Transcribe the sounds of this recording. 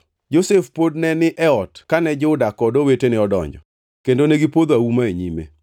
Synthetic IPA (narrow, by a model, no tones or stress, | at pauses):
d͡ʒosefpodnɛnɪʔɛɔtkanɛd͡ʒʊdakɔdɔwetenɪɔdɔ̰ɲd͡ʒɔ̰ | kendoneɡipod̪oawumaeɲimḛ